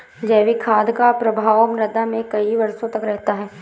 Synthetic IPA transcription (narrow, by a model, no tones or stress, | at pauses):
d͡ʒɛːʋikʰaːd̪kapɾɐbʱaːwmɾɐd̪amẽkɐiʋɐɾsõt̪ɐkɾɛɦt̪aɦɛː